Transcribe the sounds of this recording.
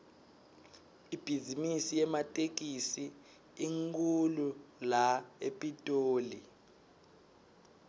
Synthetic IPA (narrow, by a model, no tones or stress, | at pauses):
ib̥ʱizimisijɛmatʼek̬ʼisi | iŋkʰʼululaepʼitʼoːli